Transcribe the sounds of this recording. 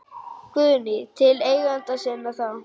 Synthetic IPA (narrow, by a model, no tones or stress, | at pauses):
kʏːnɪt̪ʰɪleːjɣant̪asɛnːaθaw